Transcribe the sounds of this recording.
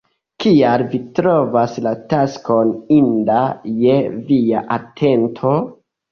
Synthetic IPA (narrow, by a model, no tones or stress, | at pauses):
kialvitɾo̞vaslataskʰo̞nindajeviaʔatʰe̞ntʰo̞